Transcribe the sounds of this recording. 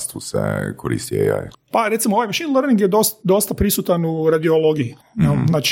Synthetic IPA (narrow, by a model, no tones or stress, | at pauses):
st̪usḛkʰoɾḭst̪iḛja̰jpaɾet̪simooʋajmaʃinləɾniŋɡjed̪ost̪d̪o̞st̪apɾisut̪anuɾad̪iolˠoɡii | nalnaːt͡ʃ